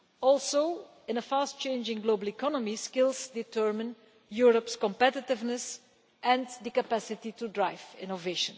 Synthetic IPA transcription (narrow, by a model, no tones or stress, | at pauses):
ɔlˠsoʊ | ɪ̃nəfaːstt͡ʃẽɪnd͡ʒɪ̃ŋɡloːbəlˠikɔnɔmiskɪlˠsditʰɜɹmə̃n | juːɹɔpskɔ̃mpɛtɪtɪvnəs | ʔɛ̃nd̪əkapæsɪtitudɹaɪjvɪ̰̃noveɪʃə̃n